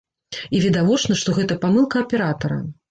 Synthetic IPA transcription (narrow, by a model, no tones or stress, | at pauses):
ivʲid̪avɔt͡ʂnɐʂt̪ɔɣɛt̪ɐpamɨlˠkɐɐpʲɛɾat̪ɐɾɐ̰